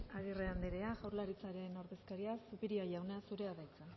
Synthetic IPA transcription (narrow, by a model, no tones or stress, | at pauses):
aɣ̞ireand̪eɾe̞aʝawɾlaɾit͡saɾe̞no̞ɾðe̞skaɾiasupiɾiaʝawneasuɾe̞aðajt͡sa